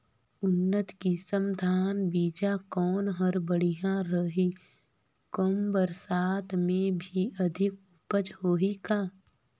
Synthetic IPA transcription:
ʊnːət̪kisəmd̪ʱaːnbiːd͡ʒakɔːnɦəɾbəɽ̤ijãɾəɦi | kɔmbəɾsaːt̪mẽbʱiʔəd̪ʱɪkʊpəd͡ʒhoːɦikaː

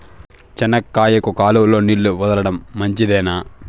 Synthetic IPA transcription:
t͡ʃɐnɐkːaːjɐkukaːluwlo̞ːnilːuʋɐd̪ɐlɐɽɐmːɐɲt͡ʃid̪ɛːnaː

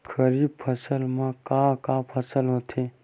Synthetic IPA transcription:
kʰəɾibpʰəsəlmẽkakapʰəsəlɦot̪ʰe

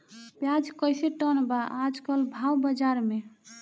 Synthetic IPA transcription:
bjad͡ʒkəjseʈənbaʔad͡ʒkəlbʱawbəd͡ʒaɾme

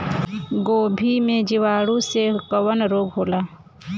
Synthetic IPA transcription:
ɡoːbʱimẽd͡ʒɪʋaːɽũsekəwənɾoːɡɦoːlaː

